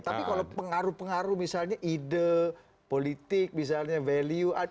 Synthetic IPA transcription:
t̪apikalapəŋaɾupəŋaɾumisalɲaʔidə | polit̪ɪk̚mis̬alɲaveliua

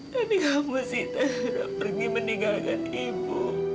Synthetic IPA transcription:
anikamusit̪ana̰ʔpərɡiməniŋɡakanibʊ

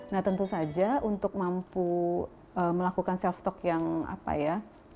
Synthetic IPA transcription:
naht̪ənt̪usad͡ʒaunt̪ʊk̚mampu | əməlakukansɛlft̪ɔkjaŋa̰pa̰ja

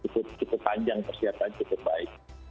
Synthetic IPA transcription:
ukʊp̚t͡ʃukʊpːaɲd͡ʒaŋkərsiɦat̪ant͡ʃukʊp̚baɪk̚

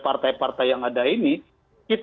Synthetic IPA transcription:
part̪ajpart̪ajaŋadaini | kit̪

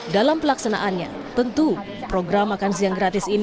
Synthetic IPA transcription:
dalampəlaksana̰ʔanɲa̰ | t̪ənt̪u | pɾoɡɾamakans̬iaŋɡɾat̪ɪsin

